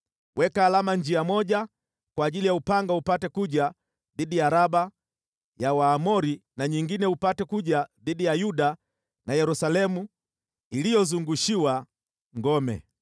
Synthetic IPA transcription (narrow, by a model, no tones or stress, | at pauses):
wʔɛkaːlamaɲd͡ʒiamɔʄa | kwaːʄilijaupaŋɡaupatɛkuʄa | ðiɗijaɾaɓa | jawaːmɔɾinaɲiŋɡinɛupatɛkuʄaðiɗijajuɗa | najɛɾusalɛmu | ilijɔzuŋɡuʃiwa | ŋɡɔmɛ̰